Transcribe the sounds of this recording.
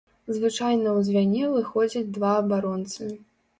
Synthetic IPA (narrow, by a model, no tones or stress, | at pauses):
zvɨt͡ʂajnɐwzʲvʲanʲɛvɨxɔd͡zʲɐd͡zʲd̪vaɐbaɾɔnt̪sɨmʲi